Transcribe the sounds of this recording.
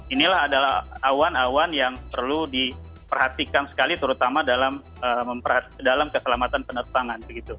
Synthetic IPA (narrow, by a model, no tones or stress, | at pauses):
inilaɦadalaawanawanjaŋpərludi | pərhat̪ikansə̥kalit̪əɾut̪amadalam | əməmpərhat̪dalamkəsəlamat̪anpənərt̪aŋanbəɡit̪u